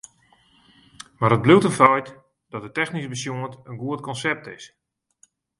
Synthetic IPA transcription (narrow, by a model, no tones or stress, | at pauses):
marət̚bluwtənfɔjt | d̥ɔt̚ətɛxnisbəsjoəntənɡuətkɔnsɛp̚tɪs